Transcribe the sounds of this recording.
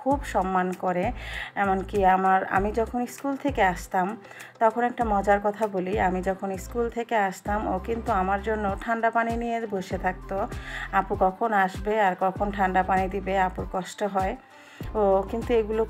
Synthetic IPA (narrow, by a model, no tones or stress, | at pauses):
kʰubʃɔmːankoɾeɛmonkiamaɾa̰mid͡ʑɔkʰoniskult̪ʰekeaʃt̪am | t̪ɔkʰonɛk̚ʈamɔd͡ʑaɾkɔt̪ʰaboliamid͡ʑɔkʰoniskult̪ʰekeaʃt̪amo̰kint̪uamaɾd͡ʑonːoʈʰaɳɖapaninijeɾboʃet̪ʰak̚t̪oapuɾkɔkʰonaʃbeaɾkɔkʰonʈʰaɳɖapanid̪ibeapuɾkɔʃʈoɦɔe | okint̪ueɡulo